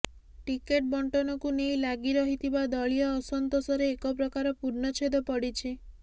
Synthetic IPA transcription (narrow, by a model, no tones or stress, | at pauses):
ʈikeʈ̚bɔɳʈɔnɔkunejlaɡiɾɔɦit̪ʰibad̪ɔɭijɔːsɔnt̪osɔɾeːkɔpɾɔkaɾɔpuɾnɔt͡ʃʰed̪ɔpɔɽit͡ʃʰi